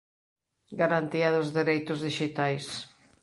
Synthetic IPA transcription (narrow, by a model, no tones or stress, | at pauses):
ɡaɾant̪iaðʊzðeɾejt̪ʊzðiʃit̪ajs